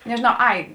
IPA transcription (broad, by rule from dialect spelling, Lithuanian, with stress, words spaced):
nʲɛʒʲɪˈnɐʊ ˈɐɪ